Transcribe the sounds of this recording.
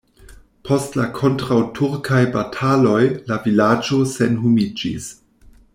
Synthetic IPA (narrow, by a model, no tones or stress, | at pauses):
pʰo̞stlakʰo̞ntɾawtʰuɾkʰajbatʰalo̞jlavilad͡ʒo̞senɦumid͡ʒḭs